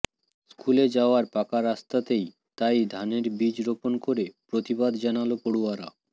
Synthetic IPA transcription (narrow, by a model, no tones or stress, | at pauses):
skuled͡ʑaoaɾpakaɾast̪at̪ej | t̪ajd̪ʱaneɾbid͡ʑɾoponkoɾepɾot̪ibad̪d͡ʑanalopoɽuaɾa̰